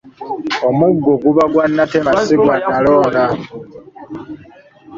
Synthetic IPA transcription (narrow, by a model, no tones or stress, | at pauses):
omuɡːoɡuβaɡwanːateβasiɡwanaloːla